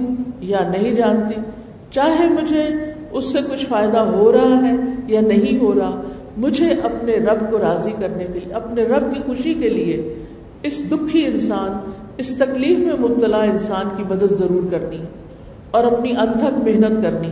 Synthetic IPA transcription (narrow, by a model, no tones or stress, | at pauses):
janɐɦĩd͡ʒaːnt̪i | t͡ʃaːɦemʊd͡ʒʱe | ʊsːekʊt͡ʃʰfaːɪd̪aɦoɾɐɦaɦɛjanɐɦĩɦoɾɐɦa | mʊd͡ʒʱeʔɐpneɾɐbkoɾaːzikɐɾnekeɐpneɾɐb̚kixʊʃikelie | ɪsd̪ʊkʰːiɪ̃nsaːn | ɪst̪ɐkliːfmẽmʊb̚t̪əlaɪ̃nsaːnkimɐd̪əd̪zɐɾuːɾkɐɾniɛ | ɔːɾɐpniʔɐ̃nt̪ʰə̃kmɪɦnət̪kɐɾni